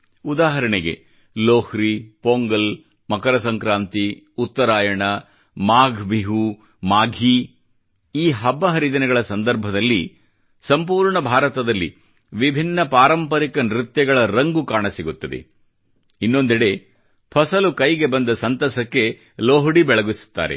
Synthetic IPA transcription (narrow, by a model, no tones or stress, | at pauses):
ud̪aːɦɐɾɐɳeɡe̞̰ | loːhɾipoːŋɡɐl | mɐkɐɾɐsɐŋkɾaːnt̪i | ut̪ːɐɾaːjɐɳɐ | maːɡʱbiɦu | maːɡʱi | iːɦɐbːɐɦɐɾid̪ɐnɛɡɐɭɐsɐnd̪ɐɾbʱɐd̪ɐlːi | sɐmpuːɾɳɐbʱaːɾɐt̪ɐd̪ɐlːḭ | ʋibʱinːɐpaːɾɐmpɐɾikɐnɾit̪jɐɡɐɭɐɾɐŋɡukaːɳɐsiɡut̪ːɐd̪e̞̰ | inːo̞nd̪iɽe̞ | pʰɐsɐlukɐjɡe̞bɐnd̪ɐsɐnt̪ɐsɐkːe̞ | loːɦɽibɛɭɐɡisu̥t̪ːa̰ːɾḛ